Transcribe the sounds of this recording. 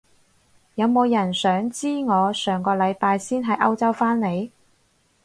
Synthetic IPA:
jɐ˨˧wmo˨˧wjɐ˨˩nsœː˨˥ŋt͡siː˥ŋɔː˨˧sœː˨˩ŋkɔː˧lɐ˨˧jpaː˧jsiː˥nɦɐ˨˧jʔɐ˥wt͡sɐ˥wfaː˥nne˨˧j

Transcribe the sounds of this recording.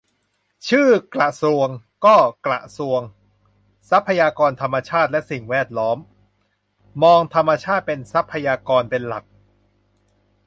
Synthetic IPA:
t͡ɕʰɯː˥˩kla˨˩ʔsu˨˧əŋ | kɔː˥˩kla̰˨˩ʔsu˧əŋ | sa˦˥pʰːa˧jaː˧kɔː˧nt̪ʰa˧mːa˧t͡ɕʰaː˥˩t̪̚lɛ˦˥ʔsi˨˩ŋwɛː˥˩t̪̚lɔː˦˥m | ɔː˧ŋt̪ʰa˧mːa˧t͡ɕʰaː˥˩t̪̚pe˧nsa˦˥pʰːa˧jaː˧kɔː˧npe˧nla˨˩k̚

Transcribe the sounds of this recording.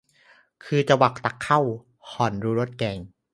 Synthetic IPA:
kʰɯː˧t͡ɕa˧wa˨˩k̚t̪a˨˩kʰːa˥˩w | hɔː˨˩nɾuː˨˦˥ɾo˦˥˩t̪̚kɛː˧ŋ

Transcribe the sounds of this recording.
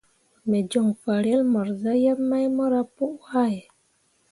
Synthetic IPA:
me˨d͡ʒo˨ŋfa˨ɾe˦lma˨ɾza˦ja˦ma˦jmə˦ɾa˦pu˦ʔha˦˨j

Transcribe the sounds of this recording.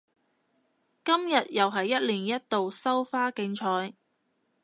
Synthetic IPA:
kɐ˥mjɐ˨t̚jɐ˨wɦɐ˨jːɐ˥t̚liː˨˩njɐ˥t̚t̪o˨wsɐ˥wfaː˥kɪ˧ŋt͡ʃʰɔː˧j

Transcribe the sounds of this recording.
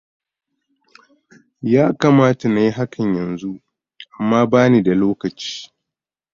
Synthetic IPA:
jaː˦kaː˨maː˦ta˨na˨ji˦ɦa˦kʰɐ˨ɲjɐ˨nzu˦ | ʔa˨mːaː˦baː˦niː˨da˨loː˦kɐ˨t͡ʃi̥ː˦

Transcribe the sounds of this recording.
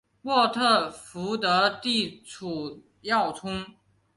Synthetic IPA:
mwɔ˥˧t̪ʰɤ˥˩fu˧˥t̪ɤ˧˥t̪i˥˩ʈ͡ʂʰu˨˩ | jɑ˥˩ʊt͡sʰʊ˥ŋ

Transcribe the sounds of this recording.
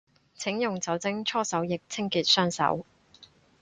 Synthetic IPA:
t͡sʰɪ˨˥ŋjʊ˨ŋt͡sɐ˨˥wt͡sɪ˥ŋt͡ʃʰɔː˥sɐ˨˥wjɪ˨k̚t͡sʰɪ˥ŋkiː˨t̚sœː˥ŋsɐ̰˨˥w

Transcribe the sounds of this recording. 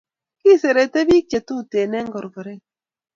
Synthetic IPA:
ki˦˨se˨ɾe˨te˦bi˦t͡ʃe˨tu˦˨te˨nɛ˦ŋ˦ɡɔ˨ɾɡɔ˨ɾe˦

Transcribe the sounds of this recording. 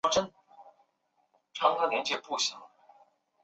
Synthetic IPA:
ʈ͡ʂə˥n | ʈ͡ʂʰɑ˧˥ŋt̪a˥˩ljɛ˧˥nt͡ɕjɛ˥pu˥˩ɕjɑ˨˧˩ŋ

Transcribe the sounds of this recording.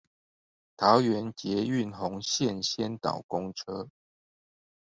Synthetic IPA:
t̪ʰɑ˨˦ʊɥɛ˨˦nt͡ɕjɛ˨˦y˥˨nxʊ˧˦ŋɕjɛ˥˨nɕjɛ˥˦nt̪ɑ̰˨˩ʊkʊ˦ŋʈ͡ʂʰɤ˥

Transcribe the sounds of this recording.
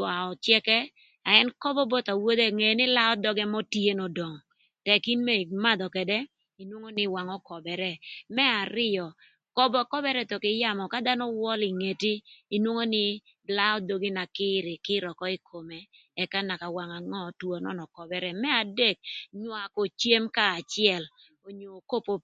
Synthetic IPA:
wa˨ɔ˨t͡ʃjɛ˦kɛ˦ | a˨ɛ˦nkɔ˦bɔ˦bo˦t̪a˨wo˦d̪e˦˨ŋe˨nɪ˦la˦ɔ˦d̪ɔ˦ɡɛ˦mɔ˦tje˦nɔ˨dɔ˨ŋ | tɛ˨ki˦nmɛ˦˨ma˦d̪ɔ˨kɛ˨dɛ˦ | i˨nwo˦ŋo˦nɪ˦wa˨ŋɔ˦kɔ˨bɛ˨ɾɛ˨mɛ˦a˨ɾɪ˦jɔ˨ | kɔ˦bɔ˨kɔ˦bɛ˦ɾɛ˦t̪o˨kɪ˨ja˦˨mɔ˨ka˦d̪a˦nɔ˦wɔ˦li˨ŋe˨tiː˦˨nwo˦ŋo˦nɪ˦ | la˦ɔ˦d̪o˨ɡi˦na˨kɪ˦ɾɪ˨kɪ˦ɾɔ˨kɔ˦i˦kʰo˨mɛ˨ | ɛ˨ka˦na˨ka˨wa˨ŋa˨ŋɔ˦˨two˨nɔ̰˦˨nɔ˨kɔ˨bɛ˦ɾɛ˦˨mɛ˦a˨de˦˨k̚ɲwa˨ko˨t͡ʃje˦mkaː˦˨t͡ʃɪ˦ɛ˦˨l | o˨ɲoː˨ko˦po˦

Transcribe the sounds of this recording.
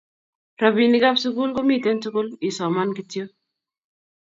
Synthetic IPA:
ɾabi˨ni˦ka˦bsʊku˦lko˦miː˨t̪e˦nsʊ˦ku˦li˨sɔː˨ma˦nkiti˦jo˦

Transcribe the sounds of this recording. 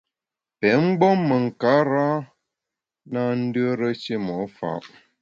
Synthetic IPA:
pɛ˨˦m̩˦ɡ͡bɔ˦mːə˨ŋ̩˨ka˨˦ɾa˦ | na˦n̩˦də˦ɾə˦t͡ʃi˦mɔ˨˦fa̰˨ʔ

